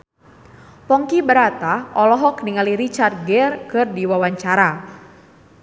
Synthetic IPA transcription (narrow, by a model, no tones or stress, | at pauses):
pɔŋkibəɾat̪aʔɔlɔɦɔkniŋaliɾit͡ʃart̪̚ɡɛrkɨrdiwawaɲt͡ʃaɾa